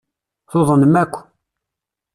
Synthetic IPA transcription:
θoðˤənmækʷː

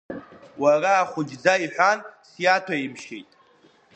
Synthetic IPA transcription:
waraːχʷʊd͡ʒd͡zaiħʷᶣansjatʰaimʃḛjtʼ

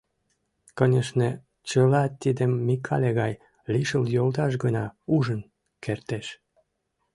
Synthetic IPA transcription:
kənʲeʃne | t͡ɕəlɑt̪id̪emːikʰɑlʲeɣɑj | liʃəljolt̪ɑʃ̬ɡənɑuʒən | kʰert̪eʃ

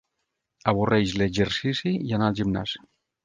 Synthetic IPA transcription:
aβorʔejzleːʒeɾsisijanalʝimna̰si̥

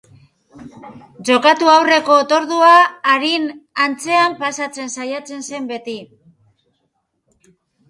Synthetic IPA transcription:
ʝo̞kat̪uawre̞ko̞ːt̪o̞ɾðuaːɾinant͡se̞ampasat͡se̞nsajat͡se̞nse̞mbe̞t̪i

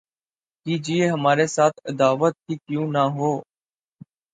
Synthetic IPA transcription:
kiːd͡ʒɪeːɦəmaːɾeːsaːt̪ʰɪd̪aːʋət̪̚ɦiːkjũːnaːɦoː

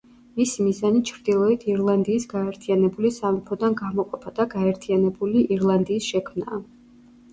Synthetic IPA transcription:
misimizanit͡ʃʰɾd̪̥ilˠɔit̪ʰiɾlˠand̪iːsɡaɛɾt̪ʰianɛbulisamipʰɔd̪anɡamɔqʼɔpʰad̪̥aɡaɛɾt̪ʰianɛbuliʔiɾlˠand̪iːsʃɛkʰmna̰ː

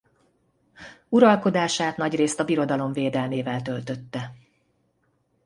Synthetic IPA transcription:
uɾɒlko̞d̪aːʃaːt̪nɒɟreːst̪ɒbiɾo̞d̪ɒlo̞ɱveːd̪ɛlmeːvɛlt̪ø̞lt̪ø̞t̪ːɛ

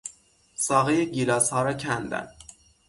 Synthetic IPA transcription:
sɒːɣejeɟilɒːshɒːɾɒːcʰænd̪æ̰n

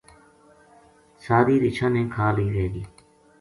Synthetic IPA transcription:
saːɾiːɾɪt͡ʃʰãːnẽːkʰaːliːɾeːɡiː

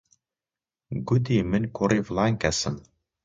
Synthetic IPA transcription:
ɡʊd̪iːmɨnʲkʰʊɾiːvlˠɑːnkæsɨm

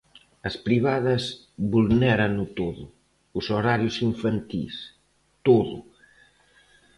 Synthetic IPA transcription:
ɐspɾiβaðɐs | βulnɛɾɐnʊt̪oðʊː | soɾaɾjʊsiɱfant̪ḭs | t̪oðʊ̰

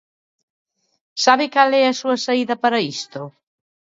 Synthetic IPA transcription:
saβɪkalɛɐsuɐsaiðɐpaɾɐist̪o

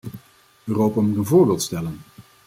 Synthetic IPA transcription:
øːrowpamutənvʊːɹbeːlˠtstɛlən

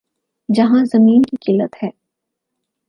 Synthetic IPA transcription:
d͡ʒɐɦãzɐmiːnkikɪlːət̪hɛː

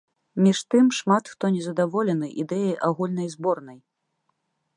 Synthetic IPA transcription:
mʲiʂt̪ɨmʂmat̪xt̪ɔnʲɛzɐd̪avɔlʲɛnɨʔid̪ɛjɐjʔaɣulʲnɐjzbɔrnɐj

